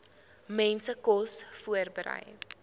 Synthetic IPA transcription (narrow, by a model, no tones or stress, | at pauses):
mɛnsəkɔsfuərbəɾə̰j